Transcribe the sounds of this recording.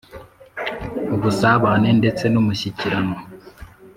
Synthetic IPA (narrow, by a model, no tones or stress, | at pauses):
uɡusaβanende̞t͡se̞numuɕiciɾano